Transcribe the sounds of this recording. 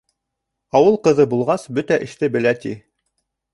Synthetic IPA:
ɑwɤlˠqɤ̆ðɤbulˠʁɑsbɵt̪æʔɘ̆ʃt̪ɘbɘ̆læt̪i

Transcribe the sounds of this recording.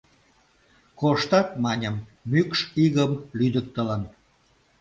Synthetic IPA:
koʃt̪ɑt̪mɑnʲəmːykʃiɣəmlyd̪ək̚t̪ələn

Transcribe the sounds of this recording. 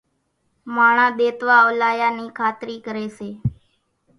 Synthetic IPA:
maːɳ̃ãːd̪eːt̪ʋaːəʋlaːjaːniːkʰaːt̪ɾiːkəɾeːʃeː

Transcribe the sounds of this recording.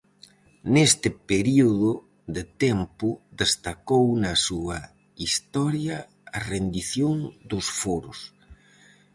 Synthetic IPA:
nest̪ɪpeɾioðʊ | ðet̪ɛmpʊd̪est̪akownɐsuɐ | ist̪ɔɾjɐ | ɐrend̪iθjoŋd̪ʊsfoɾʊs

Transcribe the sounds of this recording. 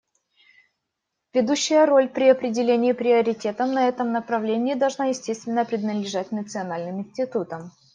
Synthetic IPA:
vʲɪd̪uɕːɪjəro̞lʲpɾʲɪɐpɾʲɪdʲɪlʲenʲɪːpɾʲɪəɾʲɪtʲe̞t̪əmnɐɛt̪əmnəpɾɐvlʲenʲɪːd̪ɐlˠʐnajɪsʲtʲest̪vʲɪnːəpɾʲɪd̪nəd̪lʲɪʐat̚ʲnət̪sɨɐnalʲnɨmɪnʲsʲtʲɪt̪ut̪əm

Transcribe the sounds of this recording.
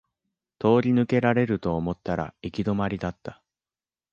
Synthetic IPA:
t̪o̞ːɾʲinɯ̟ke̞ɾaɾe̞ɾɯ̟t̪o̞ːmo̞t̪ːaɾa̰ikʲid̪o̞maɾʲid̪at̪ːḁ

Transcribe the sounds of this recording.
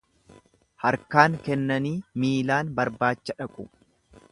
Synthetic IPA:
hɐɾkaːŋkɛnːɐniːmiːlaːnbɐɾbaːt͡ʃːɐᶑɐkʼʊ

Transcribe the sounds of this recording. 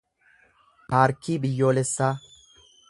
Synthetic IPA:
haːɾkːiːbɪjːo̞ːlɛsːaː

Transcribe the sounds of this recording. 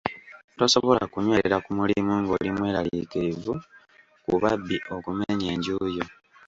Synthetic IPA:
to̞soβola̰kuɲweɾakumulimuːŋɡolimwe̞ːɾalikiɾivu | kuβabːiʔo̞kumeɲeːɲɟuːjo

